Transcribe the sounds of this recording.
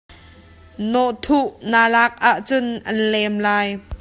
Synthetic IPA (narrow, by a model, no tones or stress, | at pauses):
nɔʔt̪ʰuʔnaːlaːk̚ʔaʔt͡sʊnʔɐnlɛmlaːj